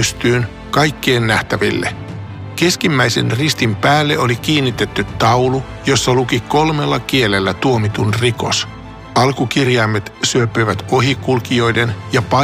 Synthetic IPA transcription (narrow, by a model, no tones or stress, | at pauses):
yst̪yːn | kɑjkːe̞ːnːæht̪æʋḭlːe̞̰ | ke̞skimːæjse̞̰nrist̪impæːlːe̞o̞lik̟iːnːit̪e̞t̪ːyt̪tɑwlu | jo̞sːɑlukiko̞lme̞lːɑkie̞le̞lːæt̪uomit̪unriko̞̰s | ɑlkukirjɑjmːet̪syøpːøjʋæt̪o̞ɦikulkio̞jde̞njɑpɑ